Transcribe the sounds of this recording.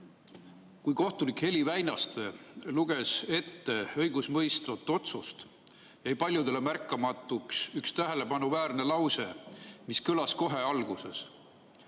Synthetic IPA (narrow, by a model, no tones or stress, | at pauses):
kujko̞ht̪unikhe̞livæjnɑst̪eluɡ̥e̞se̞t̪ːe̞ɤjɡ̥usmɤjst̪vɑt̪ːˑo̞t̪sust̪ | jɑjpɑlʲjud̪̥e̞le̞mærkːˑɑmɑt̪ːˑuksykst̪æɦe̞le̞bɑnuvæːɾne̞lɑwse̞miskɯlɑsko̞ɦe̞ɑlɡ̥use̞̰s